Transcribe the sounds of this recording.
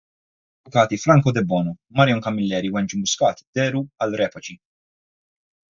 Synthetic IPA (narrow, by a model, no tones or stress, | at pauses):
ɐvʊkɐːt̪ifɾɐŋkɔd̪ɛbːɔːnumɐɾjɔŋkɐmːɪlːɛːɾiwɛnt͡ʃimʊskɐːt̪i̥d̪̥ɛːɾuɐlɾɛːpɐt͡ʃi